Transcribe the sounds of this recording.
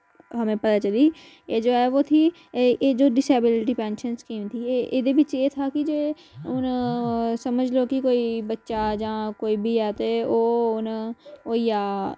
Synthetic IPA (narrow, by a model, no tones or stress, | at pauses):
ɦəmẽːpət̪aːt͡ʃəliː | eːd͡ʒoːɛːʋoːt̪ʰiː | ʔeːd͡ʒoːɖɪseːbɪlɪʈ̬iːpɛ̃ːnʃənskiːmt̪ʰiːʔɪd̪eːbɪt͡ʃeːt̪ʰaːkɪd͡ʒeː | ʊn | səməd͡ʒloːkɪkoːiːbətːʃad͡ʒãːkoːiːbʱiːɛːt̪eoːnoːiːaː